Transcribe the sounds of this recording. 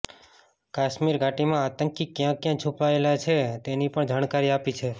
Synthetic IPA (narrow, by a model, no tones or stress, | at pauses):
kaʃmiɾɡʱaʈimãat̪əŋkikjãkjãt͡ʃʰupaelat͡ʃʰet̪enipəɳd͡ʒaɽ̃kaɾiapit͡ʃʰe